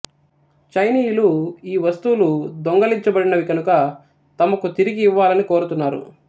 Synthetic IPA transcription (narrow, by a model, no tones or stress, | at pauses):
t͡ʃɐjniːjluiːʋɐst̪uːlud̪oŋɡɐliɲt͡ʃɐbɐɽinɐʋikɐnukɐ | t̪ɐmɐkut̪iɾiɡiːʋːaːlɐniko̞ːɾut̪unːaːɾṵ